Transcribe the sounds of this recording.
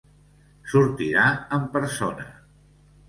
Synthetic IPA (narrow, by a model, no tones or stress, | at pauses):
suɾt̪iɾaəmpəɾsonə̰